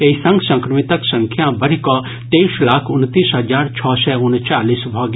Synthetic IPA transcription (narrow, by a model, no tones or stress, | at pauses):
eisɐ̃ŋɡsɐ̃ŋkɾəmit̪əksɐ̃ŋkʰjãbɐɾikɔ | t̪eːslaːkʰʊnt̪iːsɦɐd͡ʒaːɾt͡ʃʰɔːsɛʊnt͡ʃaːliːsbʱɔːɡ